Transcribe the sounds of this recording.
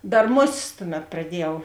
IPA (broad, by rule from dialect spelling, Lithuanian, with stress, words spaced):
ˈdɐr ˈmoːˌsʲɪsˈtʊˌmʲɛt prɐˈdʲiɛjɛʊ